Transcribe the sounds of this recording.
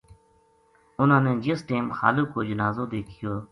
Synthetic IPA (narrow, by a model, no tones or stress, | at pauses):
ʊnãːnẽːd͡ʒɪsʈeːmxa̰ːloːkoːd͡ʒənaːzoːd̪eːkʰɪjoː